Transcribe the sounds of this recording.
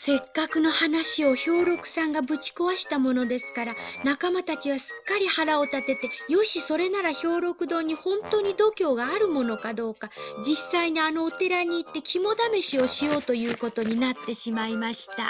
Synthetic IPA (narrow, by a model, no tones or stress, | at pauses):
se̞kːakɯ̟no̞hanaɕio̞ço̞ːɾo̞kɯ̟̥sãŋɡabɯ̟t͡ɕi̥koβaɕi̥t̪amo̞no̞d̪e̞sɨ̥kaɾanakamat̪at͡ɕiβ̞asɨ̥kːaɾʲihaɾao̞t̪at̪e̞t̪e̞jo̞ɕiso̞ɾe̞naɾaço̞ːɾo̞kɯ̟d̪o̞ːɲ̟ihõ̞nt̪o̞ːɲ̟id̪o̞kʲo̞ːɡaːɾɯ̟mo̞no̞kad̪o̞ːkad͡ʑisːaiɲiano̞ːt̪e̞ɾaɲ̟iːt̪ːe̞kʲimo̞d̪ame̞ɕio̞ɕio̞ːt̪o̞jɯ̟ːko̞t̪o̞ɲ̟inat̪ːe̞ɕimaimaɕi̥t̪a̰